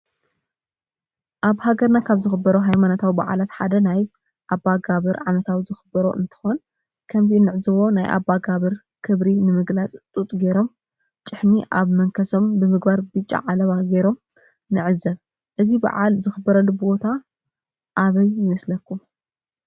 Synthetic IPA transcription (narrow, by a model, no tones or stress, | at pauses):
ʔaβhaɡɐɾnakʰaβzɨxɨbːɐɾoɦajmanot̪ʰawiba̰ʕa̰lat̪ħad̪ɐnaj | ʔabːaɡaβɨɾʕanɐt̪ʰawizɨxɨbɐɾo̰ʔɨ̰nt̪ʰɨ̥xon | kʰɐmziɨnːɨʕzɨβo̞najʔa̰bːaɡaβɨɾ | kʰɨβɾinɨmɨɡlat͡sʼt̪ʼut̪ʼɡejɾo̞m | t͡ʃʼɨħmiʔaβmɐŋkʰɐso̞mbɨmɨɡbaɾbɨt͡ʃʼːa̰ʕalɐβaɡejɾo̞m | nɨʕɨzɐβ | ʔɨziba̰ʕa̰lzɨxɨbːɐɾɐlːubɨbo̞t̪ʰa | ʔːβɐjːɪmɐslɐkʰːum